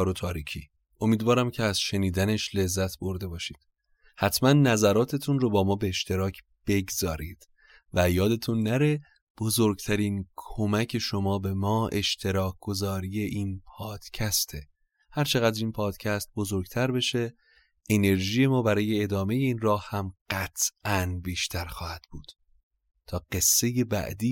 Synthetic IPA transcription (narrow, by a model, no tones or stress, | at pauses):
ɒːɾot̪ʰɒːɾiːcʰḭː | ʔo̞miːd̪vɒːɾæmcʰeæzʃe̞niːd̪æne̞ʃle̞zːæt̪ʰbo̞ɾd̪e̞bɒːʃiːd̪̥ | hæt̪ʰmænːæzæɾɒːt̪ʰe̞t̪ʰunrobɒːmɒːbeːʃt̪ʰe̞ɾɒːcʰ | b̥e̞ɡzɒːɾiːd̪̥ | væjɒːd̪e̞t̪ʰunːæɾe̞ | b̥ozoɾɡt̪ʰæɾiːnkʰo̞mæcʰe̞ʃo̞mɒːbe̞mɒːʔe̞̰ʃt̪ʰe̞ɾɒːkʰɡ̥o̞zɒːɾije̞ʔinpʰɒːd̪̥cʰæst̪ʰe̞ | hæɾt͡ʃʰe̞ɣæd̪ɾiːnpʰɒːd̪̥cʰæst̪̚bo̞zoɾɡt̪ʰæɾbe̞ʃe | ʔene̞ɾʒiːje̞mɒːbæɾɒːje̞ːd̪ɒːme̞je̞iːnrɒːhhæmɢ̥æt̪ʰʔʔænbiːʃt̪ʰæɾxɒːhæd̪̥b̥uːd̪̥ | t̪ʰɒːɢ̥e̞sːe̞je̞bæ̰ʔd̪iː